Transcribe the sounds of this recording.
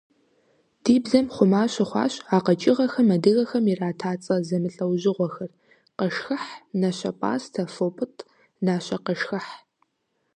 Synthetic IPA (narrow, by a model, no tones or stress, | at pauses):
d̥iːbzɐmχʷʊmaːɕɐχʷɑ̰ːɕaːqɐt͡ʃʼɪʁɐxɐmɐdɨɣɐxɐmiraːtʰaːt͡sʼɐzɐmɨɬʼɐwʑɪʁʷɔxɐr | qɐʂxɨħnɐɕɐ̰pʼa̰ːstʰɐfoːpʼɨtʼʰ | naːɕɐqəʂxɐħ